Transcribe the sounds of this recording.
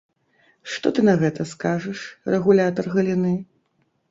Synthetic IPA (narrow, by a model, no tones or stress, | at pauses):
ʂt̪ɔt̪ɨnɐɣɛt̪ɐskaʐɐʂrɛɣulʲat̪ɐrɣɐlʲinɨ